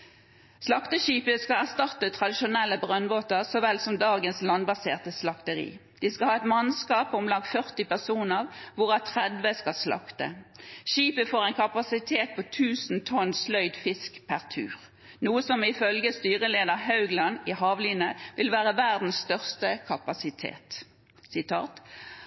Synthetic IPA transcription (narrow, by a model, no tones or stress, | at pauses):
slɑkt̪əʃiːpəskɑæʁst̪ɑt̪ːət̪ʰʁɑd̪ɪʃʊnɛlːəbʁœnboːt̪əʁsɔʋɛlsɔmd̪ɑːɡənslɑnbɑseːʁt̪əslɑkt̪əʁḭːd̪̥iskɑhɑːɛt̪mɑnskɑːpɔmlɑŋɡ̪fœʁt̪ɪpæʁsuːnəʁʋʊʁɑt̪ʰʁɛd̪ʋəskɑslɑ̰kt̪ə̰ʃiːpəfoːʁɛɪnkʰɑpɑsɪt̪ʰeːt̪̚pʰoːt̪ʰʉːsn̩t̪ʰɔnslœʏd̪fɪskpʰæʁt̪ʰʉ̰ːʁ | nuːəsɔmɪfœlɡəst̪yːʁəleːd̪əʁɦɑʉɡlɑnɪhɑːʋliːnəʋɪlʋæːʁəʋæʁd̪n̩sst̪œʁst̪əkʰɑpɑsɪt̪ʰḛːt̪ | sɪt̪ʰɑ̰ːt̪